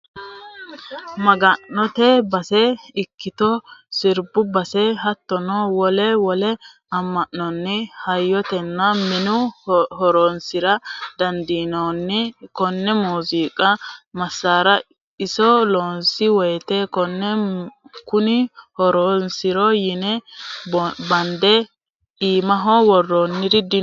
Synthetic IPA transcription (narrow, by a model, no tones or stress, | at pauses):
mɐɡɐnːɔt̪ɛbɐsɛɪkːɪt̪ɔsɪɾbʊbɐsɛɦɐt̪ːɔnɔwɔlɛwɔlɛ | ɐmːɐʔːɔnːɪhɐjːɔt̪ɛnːɐmɪnʊhɔɾɔnsɪɾɐd̪̥ɐnd̪iːnonːɪkɔnːɛmuːziːkʼɐmɐsːaːɾɐ | ɪsɔloːnsɪwɔjt̪eːkɔnːɛ | kʊnɪhɔɾɔːnsɪɾɔjɪnɛ | bɐnd̪ɛ | iːmɐɦɔwɔrːonːɪɾɪd̪ɪ